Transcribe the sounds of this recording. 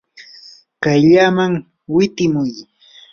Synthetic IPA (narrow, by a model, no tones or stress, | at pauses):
kajʎaːmaŋ | wɪt̪ɪmʊj